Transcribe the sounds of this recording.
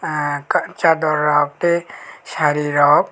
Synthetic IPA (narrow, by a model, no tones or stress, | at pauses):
kt͡ʃad̪ɔɾːaːb̚t̪eʃaɾiɾɔb